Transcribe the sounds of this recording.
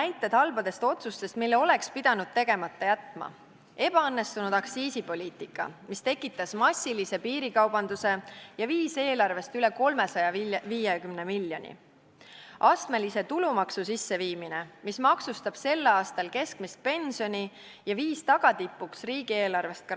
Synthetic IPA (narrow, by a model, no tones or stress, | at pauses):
næjt̪ˑːed̪̥hɑlbɑd̪̥e̞st̪o̞t̪sust̪e̞st̪̚milːeo̞le̞kspid̪̥ɑnud̪̥̚t̪e̞ɡ̥e̞mɑt̪ˑːɑjæt̪mɑ̰ | e̞b̥ɑɤnːe̞st̪unud̪̥ɑksiːsipo̞lʲiːt̪ˑikːˑɑ̰mist̪e̞kːˑit̪ːˑɑsmɑsʲːilise̞piːɾikɑwb̥ɑnd̪use̞jɑviːse̞ːlɑrve̞st̪yle̞ko̞lme̞sɑjɑviːjekymne̞milːjo̞̰nʲḭ | ʔɑst̪me̞lise̞t̪ulumɑksusisːe̞viːmine̞mismɑksust̪ɑb̥se̞lːɑːst̪ɑlke̞skmist̪̚pe̞nʲsio̞nʲi | jɑviːst̪ɑɡ̥ɑt̪ipːˑuksriːɡ̥ie̞ːlɑrve̞st̪̚k